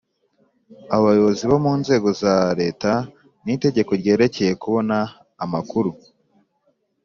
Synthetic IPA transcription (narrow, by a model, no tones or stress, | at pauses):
aβajo̞βo̞ziβomuːnze̞ːɡo̞zaɾe̞ːta | nite̞ɟe̞ko̞ɾɟe̞ːɾe̞ce̞je̞kuβo̞naː | makuɾu